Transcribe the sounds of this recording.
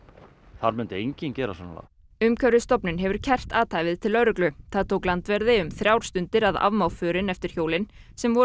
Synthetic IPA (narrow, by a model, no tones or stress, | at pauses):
θaɾmʏnt̪ɪejɲcɪncɛːɾa̰sanːala̰ | ʏmkʰœvɾɪst̪ɔpnʏnɦɛvʏɾ̥cʰɛr̥t̪aːt̪ʰaːjvɪðt̪ʰɪlœɾʏklʏθaðt̪ʰowklant̪vɛɾðɪʏmθɾjawɾ̥st̪ʏnt̪ɪɾaða̰vmawfʏːɾɪnɛft̪ɪɾ̥çjoːwlɪn | sɛmvɔ